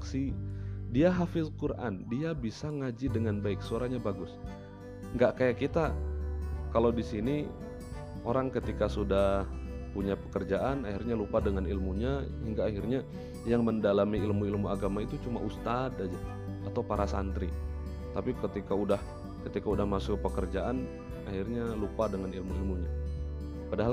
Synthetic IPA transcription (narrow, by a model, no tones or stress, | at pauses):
ksidiaɦafɪskuɾʔa̰ndiabisaŋad͡ʒidəŋanbaɪksəoɾaɲabaɡʊs | ŋɡaʔkajaʔkit̪a | kalawdisini | ʔoɾaŋkət̪ikasudahpuɲapə̥kərd͡ʒaʔanahirɲalupadəŋanilmuɲahiŋɡaːɦirɲa | jaŋməndalamiːlmuilmuaɡamait̪ut͡ʃumaʔust̪ad̪ad͡ʒaː | t̪awpaɾasa̰nt̪ɾi | t̪apikət̪ikaudah | kət̪ikaudahmasʊk̚pəkərd͡ʒaʔan | a̰hirɲalupadəŋanilmuilmuɲa | padaɦal